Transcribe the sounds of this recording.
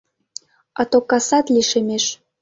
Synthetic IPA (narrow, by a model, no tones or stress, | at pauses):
ɑt̪okːɑsɑt̪liʃemeʃ